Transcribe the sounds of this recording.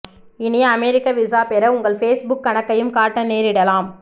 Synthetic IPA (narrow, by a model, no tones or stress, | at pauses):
ɪnɪjɐɐmeːɾɪkːɐʋɪsaːpɛɾɐʊŋɡɐɭfeːsbʊkːɐɳɐkːɐjɯmkaːʈːɐneːɾɪɽɐlaːm